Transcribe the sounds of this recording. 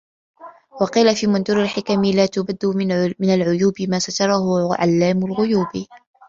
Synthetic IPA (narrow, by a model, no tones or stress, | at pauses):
wɑqiːlafiːmʊnd̪ʊɾɪlħɪkamɪlaːt̪ʊbad̪ːʊmɪnalʕʊjuːbɪmaːsat̪ɑɾˤɑhʊʕa̰lːaːmʊlɣʊjuːb